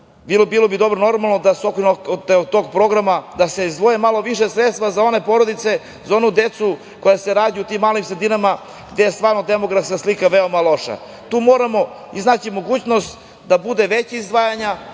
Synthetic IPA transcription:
bilobiːlˠo̞bid̪o̞bɾono̞ɾmalˠnod̪aseokɾoot̪ːeot̪o̞ːɡpɾo̞ɡɾamad̪aseizd̪ʋojemalˠo̞ʋiʃe̞sɾet̪st̪vʋazao̞ne̞po̞ɾod̪it̪se̞ | zao̞nud̪e̞t̪su | kojase̞ɾaːd̪iut̪iːmːaːlimsɾed̪inama | ɡd̪e̞jest̪ʋaːɾno̞d̪e̞moɡɾafskaslikaʋe̞omalˠo̞ʃa̰ | t̪uːmo̞ːɾamo̞ | iznaːt͡ɕimo̞ɡuːt͡ɕnost̪ | d̪abud̪e̞ʋet͡ɕeizd̪ʋaːjaɲa

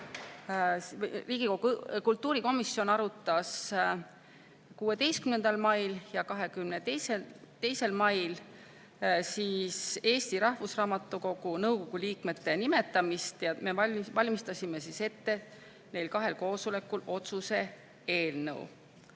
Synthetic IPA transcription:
riːɡikokult̪ːˑuːɾiko̞misːjo̞nɑɾut̪ːˑɑs | kuːe̞t̪e̞jst̪kymne̞nd̪̥ɑlmɑjljɑkɑɦe̞kymneeset̪e̞jse̞lmɑjl | siːse̞ːst̪iɾɑhvusrɑːmɑt̪ːˑuko̞ɡ̥unɤwko̞ɡ̥uliːkme̞t̪ːe̞nime̞t̪ːˑɑmist̪jɑme̞ɑvɑlʲmist̪ɑsʲime̞sise̞t̪ːe̞ | ne̞jlkɑɦe̞lko̞ːsule̞kːulo̞t̪suse̞ | e̞ːlnɤ̰w

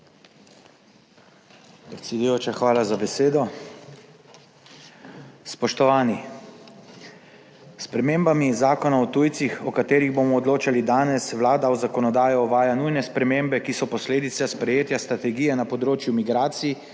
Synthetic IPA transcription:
pɾɛt̪sʲɛd̪ujoːt͡ʃaxʋaːlazabɛseːd̪ɔ | spɔʃt̪ɔʋaːni | spɾɛmeːmbamizaːkɔnaɔt̪ujt̪sixɔkat̪eːɾiɣbomɔːd̪loːt͡ʃalid̪aːnɛsʋlaːd̪aɔzakɔnɔd̪aːjɔɔʋaːjanujnɛspɾɛmembɛkisɔpɔsleːd̪it̪saspɾɛjeːt̪jast̪ɾat̪ɛɡijɛnapɔd̪ɾoːt͡ʃjumiɡɾaːt̪sii

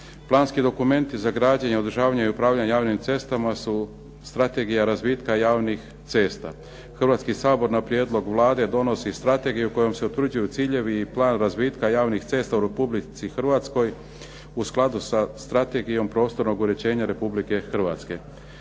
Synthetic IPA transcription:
plˠaːnskid̪o̞kume̞nt̪izaɡɾaːd͡ʑaɲeo̞d̪ɾʒaːʋaɲaiupɾaːʋʎaɲjaːʋnimt̪se̞st̪amasu | st̪ɾat̪e̞ɡijaɾazbiːt̪kajaːʋnix | t̪se̞ːst̪a̰ | xrʋat̪skisaːbo̞ɾnapɾjeːd̪lˠo̞ɡʋlˠaːd̪e̞d̪o̞no̞sist̪ɾat̪e̞ɡijuko̞jo̞mse̞ut̪ʋɾr̩d͡ʑujut̪siːʎe̞ʋiːplˠaːnɾazbiːt̪kajaːʋnixt̪se̞ːst̪auɾe̞publit̪sixr̩ʋat̪sko̞j | usklˠad̪usast̪ɾat̪e̞ɡijo̞mpɾo̞ːst̪o̞ɾno̞ɡuɾe̞t͡ɕe̞ːɲaɾe̞publike̞xr̩ʋa̰t̪ske̞

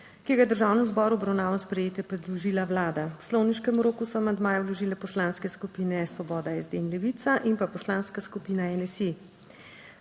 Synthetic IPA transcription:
kiɡajɛd̪əɾʒaːwnɛmzbɔːɾuɔbɾawnaːʋanspɾɛjeːt̪jɛpɾɛd̪luʒiːlawlaːd̪awslɔwniʃkɛmɾoːkusɔamand̪maːjɛwlɔʒiːlɛpɔslaːnskɛskupiːnɛsʋɔbɔːd̪aɛzd̪eːnlɛʋit̪saʔimpapɔslaːnskaskupiːnaɛnɛse

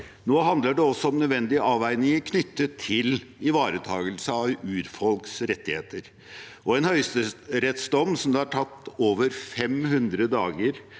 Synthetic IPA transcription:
noːɦɑnd̪ləɖɛɔsːɔɔmnœd̪ʋɛnd̪ɪəʔɑːʋæɪnɪŋəkʰnʏt̪ːət̪ʰɪlɪʋɑːɾət̪ʰɑːɡəlsəɑʋʉːɾfɔlksɾɛt̪ːɪheːt̪əɾ | ʔɔɛnhœʏst̪əɾɛt̪sd̪ɔmːsɔmd̪ɑːɑʈʰɑt̪ːoːʋəɾfɛmhʉnd̪ɾəd̪ɑːɡəɾ

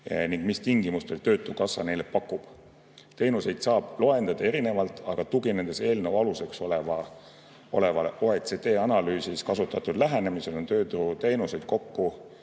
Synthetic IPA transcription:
niŋɡ̥mist̪iŋɡimust̪olʲt̪ø̞ːt̪ːˑukɑsːɑ̰ne̞jlepɑkːˑub̥ | t̪e̞jnuse̞jd̪̥sɑːb̥lo̞e̞nd̪̥ɑd̪̥ɑe̞ɾine̞vɑlt̪ˑɑɡ̥ɑt̪uɡine̞nd̪̥e̞se̞ːlnewɑluse̞kso̞le̞vɑ | o̞̰le̞vɑleʔoet̪se̞t̪e̞ːɑnɑlyːsiskɑsut̪ːˑɑt̪ːˑud̪̥læɦe̞ne̞mise̞lo̞nt̪ø̞ːt̪ut̪e̞jnuse̞jd̪̥̚ko̞kːu

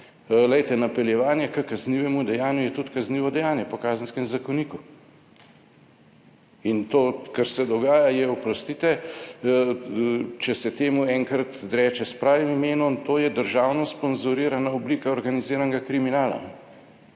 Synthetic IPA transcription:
lɛjt̪ɛnapɛljɛʋaːnjɛkəkɐzniʋɛmud̪ɛjaːnjujɛt̪ut̪kazniːʋɔd̪ɛjaːnjɛpɔkaːzənskɛmzakɔniːku | int̪oːkaɾsɛd̪ɔɡaːjajɛɔpɾɔst̪iːt̪ɛ | t͡ʃɛsɛt̪eːmuɛŋkɾat̪d̪ɾɛːt͡ʃɛspɾaːʋimimeːnɔnt̪oːjɛd̪əɾʒaːwnɔspɔnzuɾiːɾanaɔbliːkaɔɾɡaniziːɾanɡakɾiminaːla̰

